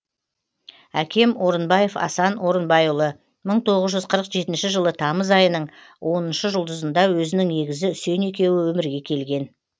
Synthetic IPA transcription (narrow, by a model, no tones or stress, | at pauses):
ækʲʰe̞mo̞ɾənbɑje̞fɑ̰sɑno̞ɾənbɑjulˠə | məɴt̪ʰo̞ʁəzʒʏzqʰəɾəqʒe̞t̪ɪnʃɪʒəlˠət̪ʰɑməzɑjənəɴ | wʔo̞nənʃəʒʊlˠd̪əzənd̪ɑwɵzɪnɪŋne̞ɡʲɪzɪʏse̞ne̞kʲe̞wɪwɵmɪɾɡʲe̞kʲʰe̞lɡʲe̞n